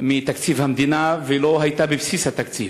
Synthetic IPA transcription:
mit̪akt͡sivamid̪inaveloɦait̪abebisisat̪ak̚t͡siv

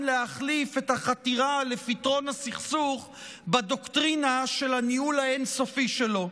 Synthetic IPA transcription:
leaχlife̞thaχatiʁalefitʁo̞nasiχsuχ | badoktʁinaʃe̞laniulaenso̞fiʃe̞lo̞

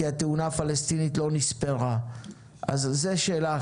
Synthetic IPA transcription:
iat̪eunaːfalest̪initlo̞nispela | ʔa̰zːeʃeːlaː

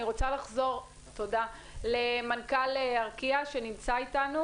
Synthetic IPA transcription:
iʁo̞t͡salaχzo̞ʁ | to̞da | lemankaleaʁkiaʃe̞nimt͡saitanu

